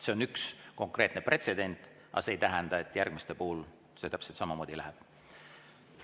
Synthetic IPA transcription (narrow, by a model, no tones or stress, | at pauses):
se̞o̞nyksko̞ŋkˑre̞ːt̪ne̞pre̞t̪se̞d̪e̞nʲt̪ˑ | ʔɑ̰se̞ːjt̪æɦɛnd̪̥ɑe̞t̪ːˑjærɡ̥mist̪epuːul | se̞t̪æpselt̪sɑmɑmo̞ːd̪̥ʲilæɦɛb̥